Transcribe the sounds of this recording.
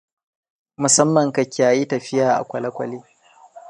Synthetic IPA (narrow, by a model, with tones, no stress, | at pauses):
mʊ˨sɐ˦mːɐ˨ŋkɐ˨kʲːaː˨ji˦tɐ˨ɸɪ˦jaː˨ʔa̰˨kʷɐ˨lɐ˦kʷɐ̰˨liː˦